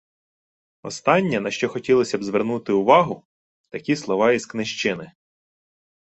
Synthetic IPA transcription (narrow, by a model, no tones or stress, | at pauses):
ɔ̰st̪ɑnʲːɛnɐʃt͡ʃɔxɔtʲilˠɔsʲɐbzʋernut̪ɪʊʋɑɦʊ | t̪ɐkʲislˠɔʋɑizknɪʃt͡ʃɪnɪ